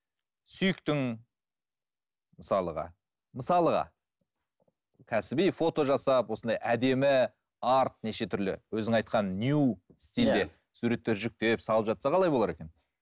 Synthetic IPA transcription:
sʏjɪkt̪ɪŋ | məsɑlˠəʁɑ̰ | məsɑlˠəʁɑ̰ | kʲʰæsɪbejfo̞t̪o̞ʒɑsɑpwo̞sənd̪ɑjʔæd̪e̞mɪ | ɑɾt̪̚ne̞ʃe̞t̪ʰʏɾlɪ̰wɵzɪŋɑjt̪̚qɑnːjust̪ʲild̪e̞ | suɾe̞t̪ːeɾʒʏk̚t̪e̞psɑlˠəpʒɑt̪sɑqʰɑlˠɑjbolˠɑɾe̞kʲe̞n

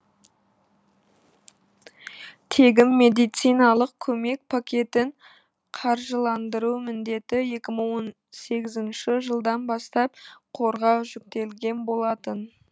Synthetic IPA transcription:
t̪ʰe̞ɡʲɪmːe̞d̪ijt̪sijnɑlˠəq̚kʲʰɵme̞k̚pʰakʲe̞t̪ɪɴ | qʰɑɾʒəlˠɑnd̪əɾumɪnd̪e̞t̪ɪje̞kʲɪməɴwon | se̞ɡʲɪzɪnʃɪʒəlˠd̪ɑnbɑst̪ɑp̚qʰo̞ɾʁɑʒʏk̚t̪e̞lɡʲe̞nbo̞lˠɑt̪ən

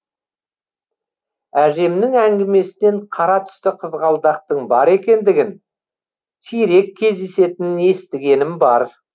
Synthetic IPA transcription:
æʒe̞mnɪŋæŋɡʲɪme̞sɪne̞ɴqʰɑɾɑt̪ʰʏ̥st̪ɪqʰəzʁɑlˠd̪ɑq̚t̪əɴbɑɾe̞kʲe̞nd̪ɪɡʲɪn | t̪ʰijɾe̞kʲʰːe̞zd̪ese̞t̪ɪnɪne̞st̪ɪɡʲe̞nɪmbɑɾ

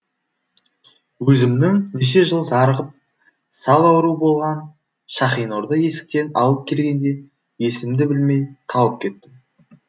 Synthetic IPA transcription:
wɵzɪmnɪŋneʃ̬e̞ʒəlˠzɑɾəʁəp̚ | sɑlˠɑwɾuəbo̞lˠʁɑn | ʃɑχijnoɾd̪əje̞sɪ̥k̚t̪e̞nɑ̰lˠəp̚kʲʰe̞lɡʲe̞nd̪e̞ | je̞sɪmd̪ɪbɪlme̞jq̪ʰɑlˠəp̚kʲʰe̞t̪ːɪm

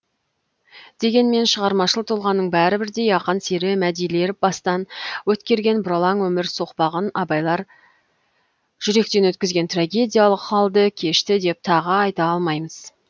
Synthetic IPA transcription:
d̪̥e̞ɡʲe̞nme̞nʃəʁɑɾmɑʃəlˠət̪ʰolˠʁɑnːəɴbæɾɪbɪɾd̪e̞jɑqənseɾɪmæd̪ijle̞ɾɪp̚bɑst̪ɑnwɵt̪kʲe̞ɾɡʲe̞nbʊɾɑlˠɑŋwɵmɪɾso̞qpɑʁənɑbɑjlˠɑɾ | ʒ̥ʏɾe̞k̚t̪e̞nwɵt̪kʲɪzɡʲe̞nt̪raɡʲe̞d̪ʲijalˠəqχɑlˠd̪əkʲʰe̞ʃt̪ɪd̪e̞p̚t̪ʰɑʁəɑjt̪ɑɑlˠmɑjməz̥

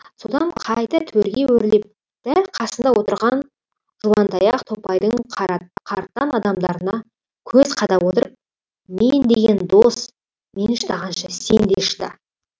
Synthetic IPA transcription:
so̞d̪ɑɴqʰɑjt̪ɑt̪ʰweɾɡʲe̞wɵɾlep̚ | d̪̥æɾqʰɑsənd̪ɑwo̞t̪əɾʁɑn | ʒ̥uwɑnt̪ʰɑjɑqt̪ʰo̞pɑjd̪əɴqʰɑɾt̪ːɑnɑd̪ɑmd̪ɑɾənɑ | kʲʰɵzqʰɑd̪ɑpwo̞t̪əɾəp̚ | mend̪eɡʲe̞nd̪os | me̞nʃəd̪ɑʁɑnʃəse̞nd̪ḛʃd̪ɑ̰

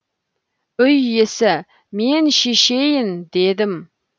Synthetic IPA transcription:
ʏjːesɪ | menʃeʃejɪnd̪ed̪ɪm

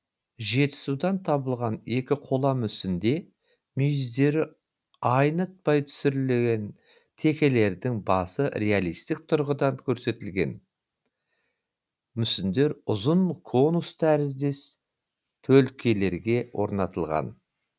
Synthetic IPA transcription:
ʒe̞t̪ɪ̥sud̪ɑnt̪ʰɑbəlˠʁɑne̞kʲɪqʰo̞lˠɑmʏsɪnd̪e̞ | mʏjɪzd̪e̞ɾɪ | ɑjnət̪̚pɑjt̪ʰʏ̥sʏɾɪle̞ɡʲe̞n | t̪ʰe̞kʲe̞le̞ɾd̪ɪŋbɑsəɾʲe̞alˠijst̪ɪk̚t̪ʰʊɾʁəd̪ɑŋkʲʰɵɾse̞t̪ɪlɡʲe̞̰n | mʏsɪnd̪e̞ɾʊzənkʰo̞nust̪ʰæɾɪzd̪e̞s | t̪ʰɵlkʲʰe̞le̞ɾɡʲe̞wʔo̞̰ɾnɑt̪əlˠʁɑ̰n

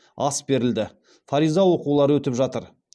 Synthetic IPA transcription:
ɑsbe̞ɾɪld̪ɪ | faɾijzɑwo̞qulˠɑɾwɵt̪ɪpʒɑt̪əɾ

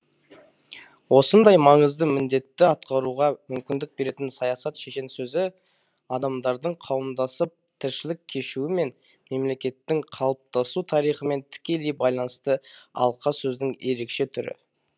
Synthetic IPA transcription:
wo̞sənd̪ɑjmɑɴəzd̪əmɪnd̪e̞t̪ːɪɑt̪̚qɑɾuʁɑmʏmkʲɪnd̪ɪk̚be̞ɾe̞t̪ɪnsɑjɑsɑt̪ʃe̞ʃensɵzɪ | ɑd̪ɑmd̪ɑɾd̪əɴqʰɑwəmd̪ɑsəp̚t̪ʰɪɾʃɪlɪkʲʰːe̞ʃuɪme̞n | me̞mle̞kʲe̞t̪ːɪŋqʰɑlˠəp̚t̪ɑsut̪ʰɑɾijχəme̞nt̪ʰɪ̥kʲe̞le̞jbɑjlˠɑnəst̪əɑ̰lˠqɑsɵznɪŋje̞ɾe̞kʃe̞t̪ʰʏɾɪ̰

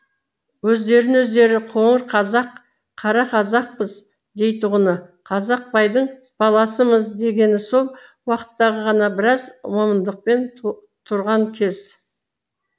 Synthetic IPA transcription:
wɵzd̪e̞ɾɪnwɵzd̪e̞ɾɪqʰoɴəɾqʰɑɑq | qʰːɑɾɑqʰɑzɑq̚pəz | d̪e̞jt̪ʊʁənəqʰɑzɑq̚pɑjd̪əɴ | b̥ɑlˠɑsəməzd̪e̞ɡʲe̞nɪso̞lˠ | wɑqə̥t̪ːɑʁəʁɑnɑbɪɾɑzwo̞mənd̪əq̚pe̞n | t̪ʰʊɾʁɑŋkʲʰe̞z̥

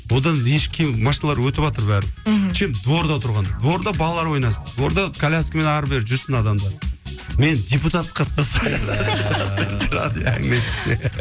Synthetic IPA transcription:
wo̞d̪ɑnjeʃkʲʰemmɑʃinɑlˠɑɾwɵt̪ɪbɑt̪əɾbæɾt͡ʃʰemd̪wo̞ɾd̪ɑt̪ʰʊɾʁɑnd̪ɑd̪wo̞ɾd̪ɑbɑlˠlˠɑɾwo̞jnɑsd̪wo̞ɾd̪ɑkʰalʲaskme̞nɑɾbeɾʒʏɾsɪnɑd̪ɑmd̪ɑme̞nd̪ʲe̞put̪at̪̚qʰɑt̪qɑsɑjɑsnt̪ɾa̰d̪æ̰ŋnejt̪ɪse

